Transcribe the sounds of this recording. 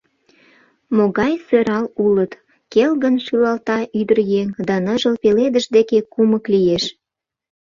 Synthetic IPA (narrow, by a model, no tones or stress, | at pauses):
moɣɑjsøɾɑlulət̪ | kelɣənʃylɑlt̪ɑʔyd̪ərjeŋd̪ɑnəʒəlpeled̪əʒd̪ekekuməklijeʃ